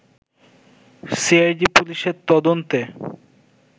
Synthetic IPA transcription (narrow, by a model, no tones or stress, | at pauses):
siajɖipuliʃeɾt̪ɔd̪ont̪e